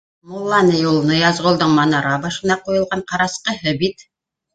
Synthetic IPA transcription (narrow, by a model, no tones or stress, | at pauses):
mulˠːɑnəjulˠnɤjɑzʁŏlˠd̪ɤɴmɑnɑɾɑbɑʃɤ̆nɑqujŏlˠʁɑɴqɑɾɑsqɤɦɵbit̪